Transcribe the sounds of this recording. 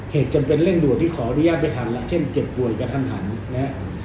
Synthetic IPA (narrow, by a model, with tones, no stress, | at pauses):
heː˨˩t̪̚t͡ɕa˧mpe˧nle˥˩ndu˨˩ət̪ʰːiː˥˩ɔː˩˦ʔa˧nu˦jaː˥˩t̪̚pa˧jt̪ʰa˨˦nlɛ˧ʔt͡ɕʰe˥˩nt͡ɕe˨˩p̚ːu˨˩əjkɾa˧t̪ʰa˧mt̪ʰa˩˦nːa˧˦˥ʔ